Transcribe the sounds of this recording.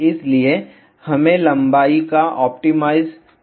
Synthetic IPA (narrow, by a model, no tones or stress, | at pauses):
ɪslie | hɐmẽlɐ̃mbaːikaʔɔːp̚ʈimaːɪz